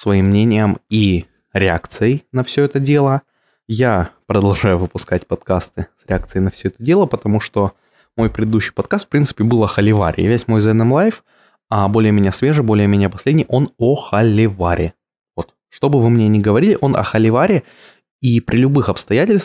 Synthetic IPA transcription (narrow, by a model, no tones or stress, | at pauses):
svɐimːnʲenʲɪjəmi | ɾʲɪakt̪sɨəjnɐfsʲɵɛt̪ədʲe̞lˠə | japɾəd̪ɐlˠʐajʊvɨpʊskat̚ʲpɐt̪kast̪ɨsɾʲɪak̚t̪sɨɪnɐfsʲɵɛt̪ədʲe̞lˠəpət̪ɐmuʂt̪o̞ | mo̞jpɾʲɪd̪ɨd̪uɕːɪ̥jpɐt̪̚kast̪fpɾʲint̪sɨ̥pʲɪbɨlˠɐxəlʲɪva̰ɾʲɪ̰vʲesʲtʲmo̞jzɛnəmlˠajf | ɐbo̞lʲɪjəmʲɪnʲasvʲe̞ʐɨbo̞lʲɪjəmʲenʲɪjəpɐsʲlʲedʲnʲɪjʔo̞noxəlʲɪvaɾʲʔɪ | vo̞t̪ | ʂt̪o̞bɨvɨmnʲenʲɪɡəvɐɾʲilʲɪʔo̞nʔɐ̰xəlʲɪvaɾʲɪ | ipɾʲɪlʲʊbɨxɐpst̪ɐjætʲɪlʲst̪